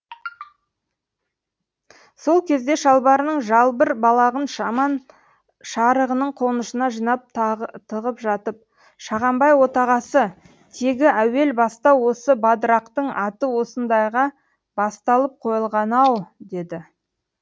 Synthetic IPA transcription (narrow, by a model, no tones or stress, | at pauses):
so̞lˠkʲʰe̞zd̪e̞ʃɑlˠbɑɾənəɴʒɑlˠbəɾbɑlˠɑʁənʃɑmɑn | ʃɑɾəʁənəɴqʰo̞nəʃənɑʒijnɑp̚t̪ʰəʁəpʒɑt̪əp̚ | ʃɑʁɑmbɑjwo̞t̪ɑʁɑsə | t̪ʰe̞ɡʲɪʔæwe̞lbɑst̪ɑwo̞səbɑd̪ɾɑqt̪əɴɑt̪əwo̞sənd̪ɑjʁɑ | bɑst̪ɑlˠəp̚qʰo̞jəlˠʁɑnɑwd̪e̞d̪ɪ